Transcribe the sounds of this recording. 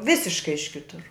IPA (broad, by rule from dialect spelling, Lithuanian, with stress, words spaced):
ˈʋʲɪsʲɪʃkɐɪ ɪʃ ˈkʲɪtʊr